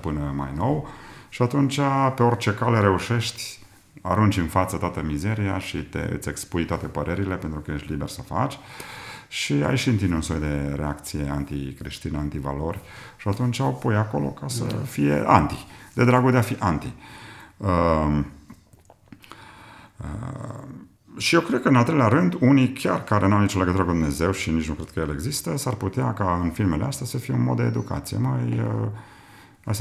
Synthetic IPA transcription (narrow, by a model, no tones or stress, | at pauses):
pɨnəma̰jno̞wʃiat̪unt͡ʃape̞o̞rt͡ʃe̞kaleɾe̞uʃe̞ʃt̪ʲ | aɾunt͡ʃɨnfat̪sət̪oat̪əmize̞ɾija̰ʃit̪ḛɨ̰t̪sʲe̞kspujt̪oat̪e̞pəɾe̞ɾile̞pe̞nt̪ɾukəje̞ʃt̪ʲlibersəfa̰t͡ʃʲ | ʃia̰jiʃɨnt̪inunsojd̪e̞ɾe̞akt̪sije̞ant̪ḭkɾeʃt̪inant̪iva̰lo̞rʲ | ʃiat̪unt͡ʃawpojako̞̰lo̞̰kasə̰fijḛʔa̰nt̪id̪e̞d̪ɾaɡud̪eafiʔant̪i | ə | ə̰ | ʃijewkɾed̪̚kəɨnalt̪ɾeleaɾɨnd̪unikʲarkaɾenuawnit͡ʃoleɡət̪uɾəkud̪umne̞ze̞wʃinit͡ʃnukɾed̪̚kəjeleɡzist̪əsarput̪eakaɨnfilmelḛast̪easəfijeunmod̪d̪e̞ːd̪uka̰t̪sije̞̰majə | as